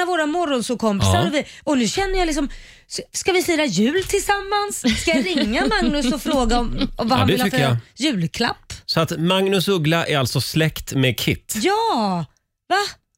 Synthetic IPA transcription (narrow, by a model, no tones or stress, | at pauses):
avoːɾamɔɾɔnsʊkʰɔmpɪsaɾɔvɪɔnʉɕɛnːəjɑlɪksɔm | sskavɪfyːɾajʉ̟ːlt̪ʰɪlsamːansːajaɾɪŋːamaŋnɵsɔfɾoːɡaɔmɔvahandɪlhajʉ̟ːlkʰla̰pːsɔat̪maŋnɵsɵɡlaʔæɾalt̪sɔslɛkt̪mɛkʰɪt̪ːjɑː | va